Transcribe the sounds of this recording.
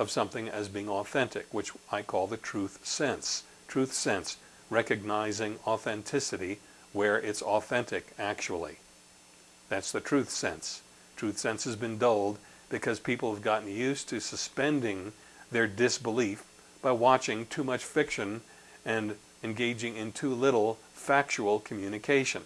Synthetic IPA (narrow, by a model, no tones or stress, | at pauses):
ʌv̥sʌ̃mθɪ̃ŋɨzbiɪ̃ŋɔθɛ̃ntɨ̰kwɨt͡ʃaɪkʰɔlˠðɨtʰɹ̥ʉθsɛ̃ns | tʰɹ̥ʉθsɛ̃ns | ɹɛkɨɡ̚naɪzɪ̃ŋɔθɛ̃ntʰɪsɨɾi | wə˞ʔɪtsɔθɛ̃ntɪkæk̚t͡ʃul̩ˠḭ | ðætsðɨtʰɹ̥ʉθsɛ̰̃ns | tʰɹ̥ʉθsɛ̃nshɨzbɨ̃ndoʊlˠd̚ | b̥ɨkʰʌz̥pʰipl̩ˠəvɡɑʔn̩jʉstʰɨsɨspɛ̃ndɪ̃ŋ | ðə˞dɪsb̥əlif | b̥aɪwɑt͡ʃɪ̃ŋtʰʉmʌt͡ʃfɪkʃɨ̃n | ɨ̃n | ɨ̃nɡeɪd͡ʒɪ̃ŋɨ̃ntʰulɪɾl̩ˠ | fæk̚t͡ʃul̩ˠkʰm̩jʉnɨkʰeɪʃɨ̃n